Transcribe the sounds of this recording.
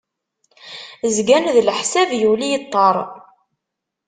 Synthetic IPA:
zɡænðlħsævjulijət̪ˤːɑɾˤ

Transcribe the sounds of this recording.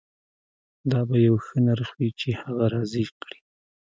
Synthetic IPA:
d̪ɑbajawxənaɾxwit͡ʃehaɣaɾɑzikɽi̥

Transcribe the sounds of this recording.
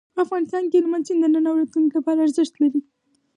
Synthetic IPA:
pəafɣɑnɪst̪ɑnkelmanzind̪ənənawɾat̪lunklapɑɾaːɾzəʃt̪laɾi

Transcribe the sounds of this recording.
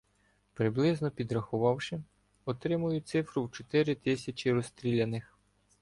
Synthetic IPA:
pɾɪblˠɪznɔpʲid̪ɾɐxʊʋɑwʃɪ | ɔt̪ɾɪmʊjʊt̪sɪfɾʊwt͡ʃɔt̪ɪɾʲɪt̪ɪsʲɐt͡ʃiɾɔst̪ɾʲilʲɐnɪx

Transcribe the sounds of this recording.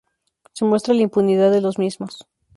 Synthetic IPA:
se̞mwe̞st̪ɾalaimpuniðaðe̞lo̞zmizmos

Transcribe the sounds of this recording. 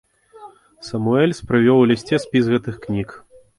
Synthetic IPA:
sɐmuɛlʲspɾɨvʲɔwlʲisʲt͡sʲɛsʲpʲizɣɛt̪ɨxknʲik

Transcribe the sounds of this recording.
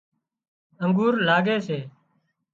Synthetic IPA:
əŋɡuːɾlaːɡeːseː

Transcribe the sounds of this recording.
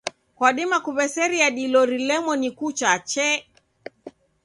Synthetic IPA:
kwaɗimakuβɛsɛɾiaɗilɔɾilɛmɔnikut͡ʃat͡ʃɛ

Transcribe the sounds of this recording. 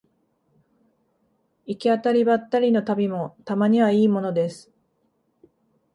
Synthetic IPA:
ikʲiat̪aɾʲibat̪ːaɾʲino̞t̪abʲimo̞t̪amaɲ̟iβaiːmo̞no̞d̪e̞sɨ̥

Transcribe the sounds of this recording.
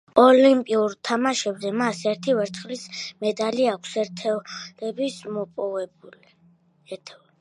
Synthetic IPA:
ɔlimpʼiuɾt̪ʰamaʃɛbzɛmasɛɾt̪ʰivɛɾt̪ʰχlismɛd̪aliakʷʰsɛt̪ʰɛlɛbismɔpʼɔvɛbuli | ɛɾt̪ʰɛ

